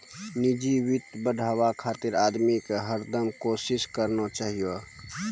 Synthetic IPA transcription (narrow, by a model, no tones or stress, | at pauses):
nɪd͡ʒiwɪt̪bəɖʱaːwakʰaːt̪ɪɾaːd̪mikeɦəɾd̪əmkoːsɪskəɾnot͡ʃaːɦijo